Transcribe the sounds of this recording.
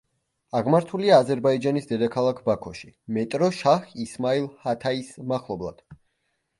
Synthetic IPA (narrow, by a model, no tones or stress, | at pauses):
aʁmaɾt̪ʰuliaːzɛɾbaid͡ʒanisd̪ɛd̪akʰalˠakʰbakʰɔʃimɛt̪ʼɾɔʃaχismailˠhat̪ʰaismaχlˠɔblˠad̪̥